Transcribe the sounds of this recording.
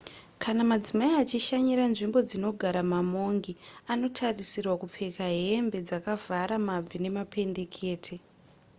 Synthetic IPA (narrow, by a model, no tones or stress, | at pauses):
kʰanamad͡zimaiat͡ʃiʃaɲiɾanʐimbo̞d͡zino̞ɡʱaɾamamo̞ŋɡiano̞tʰarisirwakup͡fekaɦembe̞d͡zakavaɾamab͡vine̞mape̞nde̞kʰe̞ːtʰe